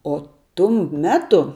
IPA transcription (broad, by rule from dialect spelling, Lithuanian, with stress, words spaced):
oː ˈtʊm ˈmʲæːtʊ